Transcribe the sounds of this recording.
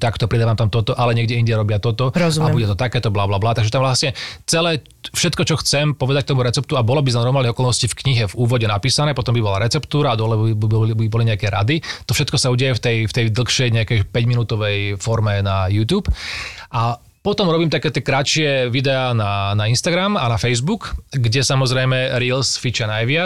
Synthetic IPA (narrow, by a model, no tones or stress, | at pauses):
t̪akt̪ɔpɾid̪aːʋaːmt̪amt̪ɔt̪ɔʔalɛɲɛɡɟɛiɲɟɛɾɔbɪat̪ɔt̪ɔɔzuabuɟɛt̪ɔt̪akɛːt̪ɔblaːblaːblaːt̪aɡʒɛt̪amʋlasɲɛt͡sɛlɛː | fʃɛt̪kɔt͡ʃɔxt͡sɛmpɔʋɛd̪ac̚t̪ɔmuɾɛt͡sɛp̚t̪uabɔlɔbiznanɔɾmalnɛɦɔkɔlnɔscifkɲiɦɛvuːʋɔɟɛnapiːsanɛːpɔt̪ɔmbibɔlaɾɛt͡sɛpt̪uːɾad̪ɔlɛbibɔliɲɛakɛɾa̰d̪it̪ɔfʃɛt̪kɔsauːɟɛajɛft̪ɛjft̪ɛjd̪l̩xʃɛjɲɛakɛjpɛɟminuːt̪ɔʋɛjfɔɾmɛnajuːt̪juːpʔa | pɔt̪ɔmɾɔbiːmt̪akɛːt̪ɪɛkɾatʃɪɛʋid̪ɛaːnanainst̪aɡɾamanafɛjzbukɡɟɛsamɔzɾɛjmɛɾiːlsfit͡ʃanajʋɪa